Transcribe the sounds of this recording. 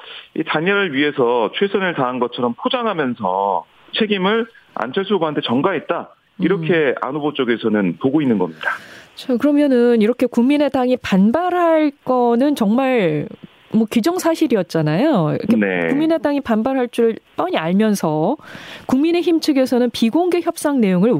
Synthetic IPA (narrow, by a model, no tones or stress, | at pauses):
ḭtaɲʌɾɯɭɥiɦe̞sʰʌt͡ɕʰwesʰʌnɯɭtaɦanɡʌt͡ɕʰʌɾʌmpʰod͡ʑaŋɦamjʌnsʰʌ | t͡ɕʰe̞ɡimɯɭa̰nt͡ɕʰaɭsʰubɦantʰet͡ɕʌŋɡaɦet̚t͈a | iɾʌkʰe̞a̰nubot͡ɕ͈oɡe̞sʰʌnɯnpoɡoinːɯnɡʌmɲid̥at͡ɕʰakɯɾʌmjʌnɯniɾʌkʰe̞kuŋmine̞daŋipanbaɾɦaɭk͈ʌnɯnt͡ɕʌŋmaɭ | mwʌkid͡ʑʌŋsʰaɕʰiɾiʌt̚t͡ɕ͈anajo̰kkʰeneumːine̞daŋipanbaɾɦaɭt͡ɕ͈uɾɯɭp͈ʌɲiaɭmjʌnsʰʌkuŋmine̞çimt͡ɕʰɯɡe̞sʰʌnɯnpiɡoŋɡe̞çjʌp̚s͈aŋne̞joŋɯɭ